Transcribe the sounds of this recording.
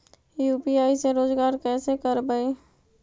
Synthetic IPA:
juːpiaːiseɾoːd͡ʒɡaːɾkɛːsekəɾbəi

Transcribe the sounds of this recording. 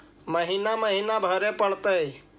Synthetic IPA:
məɦinaməɦiːnabʱəɾepəɽt̪əi

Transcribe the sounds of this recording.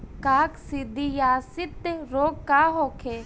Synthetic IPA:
kaːksɪd̪ʱijaːsɪt̪ːɾoːkːaɦoːkʰe

